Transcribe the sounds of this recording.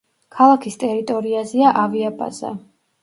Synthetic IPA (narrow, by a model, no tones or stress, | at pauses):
kʰalˠakʰist̪ʼɛɾit̪ʼɔɾiazɛaʔaviapʼa̰zɛ̰